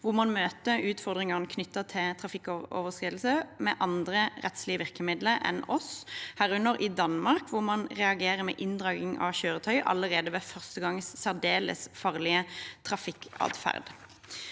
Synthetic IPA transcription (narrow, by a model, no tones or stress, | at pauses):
ʋʊmɑnmøːt̪əʉːt̪fɔʁd̪ʁɪŋɑʁnəkʰnʏt̪ːɑt̪ʰɪt̪ʰʁɑfɪkːo̰ːʋəʁskʁiːd̪l̩səmɛʔɑnd̪ʁəʁɛt̪slɪəʋɪʁkəmɪd̪ləʔɛ̰nɔshæːʁʉnːəɾʔɪd̪ɑnmɑʁkʋʊʁmɑnʁɛɑɡeːʁəmɛ̰ːʔɪnd̪ʁɑːɡɪŋɑ̰çøːʁət̪ʰœʏʔɑ̰lːəʁeːd̪əʋefœʁst̪əɡɑŋssæʁd̪eːlə̰sfɑːʁlɪət̪ʰʁɑfɪkɑ̰ːd̪fæ̰ʁd̪